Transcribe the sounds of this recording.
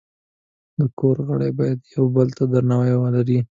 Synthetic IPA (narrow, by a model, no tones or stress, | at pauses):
d̪əkoɾɣəɽebɑjad̪jawbəlt̪ad̪aɾnawajwəlaɾi